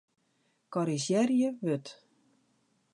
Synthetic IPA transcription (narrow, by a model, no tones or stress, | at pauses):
kɔɾisjɛrjəʋøt